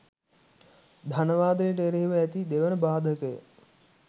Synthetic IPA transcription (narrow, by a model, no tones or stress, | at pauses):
d̪ʱanəʋaːd̪əjəʈ̬ːɾeɦiʋəæt̪id̪eʋənəbaːd̪ʱəkəjə̰